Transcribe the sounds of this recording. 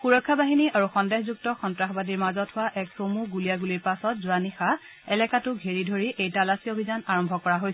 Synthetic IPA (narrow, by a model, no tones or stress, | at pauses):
xuɹɔkʰːabaɦiniʔaɹuxɔndɛxzuk̚tɔxɔntɹaxbadiɹmazɔthʊwaʔɛksomuɡulijaɡuliɹpasɔtzuanixa | ɛlɛkatʊɡʱeɹidʱoɹiʔejtalasiobʱizanaɹɔmbʱɔkɔɹaɦojsɛ